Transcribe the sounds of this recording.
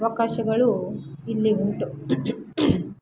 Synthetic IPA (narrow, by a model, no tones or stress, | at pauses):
ʋɐkaːʃɐɡɐɭuilːiuɳʈu